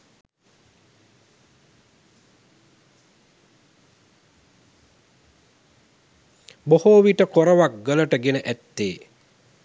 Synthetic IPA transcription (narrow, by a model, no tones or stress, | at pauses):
bohoːʋiʈəkoɾəʋak̚ɡələʈəɡenəʔæt̪ːeː